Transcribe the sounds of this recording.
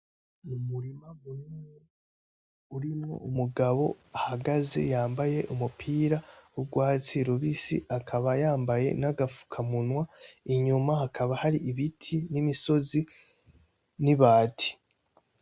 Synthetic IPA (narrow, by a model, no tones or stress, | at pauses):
numuɾimamuneni | uɾimŋo̰umuɡaβo̞̰ahaɡaze̞̰jaːmbaje̞ʔumupʰiːɾawuɡwaːt͡siɾoβisḭʔakʰaβajaːmbaje̞̰naɡafu̥kʰamunwaiɲumahakʰaβahaɾiʔiβitʰinimiso̞zi | niβaːtʰi̥